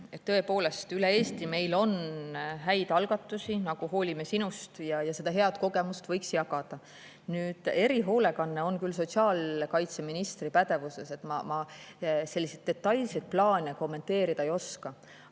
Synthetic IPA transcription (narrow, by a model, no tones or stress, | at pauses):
et̪ːɤ̞e̞po̞ːle̞st̪ylee̞ːst̪ime̞jlo̞nɦæjd̪̥ɑlɡ̥ɑt̪ːˑusinɑɡ̥uɦo̞ːlʲimesinust̪jɑjɑse̞d̪ɑɦe̞ɑd̪̥ko̞ɡ̥e̞must̪vɤjksjɑkɑd̪̥ɑ | nyːd̪̥e̞ɾiɦo̞ːle̞kɑnːe̞o̞nkyls̬o̞t̪siɑːlkɑjt̪se̞minist̪ripæd̪̥e̞vuse̞se̞t̪ːˑmɑmɑse̞lːised̪̚e̞t̪ːˑɑjlsed̪̚plɑːnʲeko̞mːe̞nt̪e̞ːɾid̪̥ɑejo̞skɑ